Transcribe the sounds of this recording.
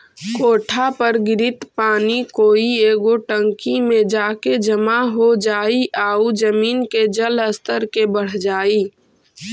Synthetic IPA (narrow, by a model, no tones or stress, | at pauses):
koːʈʰapəɾɡɪɾɪt̪paːnikoːieːɡoʈə̃ŋkimẽd͡ʒaːked͡ʒəmaɦod͡ʒaːiʔaːud͡ʒəmiːnked͡ʒələst̪əɾkebəɽ̤d͡ʒaːiː